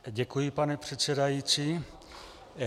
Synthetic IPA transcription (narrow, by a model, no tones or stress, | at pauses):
ɟɛkujɪpanɛpr̝̥ɛt̪t͡sɛdajit͡siː